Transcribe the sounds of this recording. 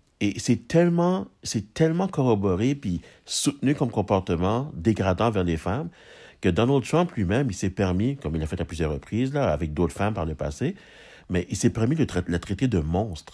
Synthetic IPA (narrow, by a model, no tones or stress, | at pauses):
esɛt̪ɛlmɑ̃sɛt̪ɛlmɑ̃kɔʁɔbɔʁepi | sut̪nykɔmkɔ̃pɔʁt̪əmɑ̃d̪eɡʁad̪ɑ̃vɛʁlefam | kəd̪ɔnɔld̪t̪χɑ̃mplɥimɛ̃misɛpɛʁmikɔmilafɛt̪aplyzjœʁʁəpχiːzlaːvɛk̚d̪oːt̪χfampaʁləpa̰se | mɛʔisɛpɛʁmilət̪lət̪ʁet̪ed̪əmɔ̃ːst̪χ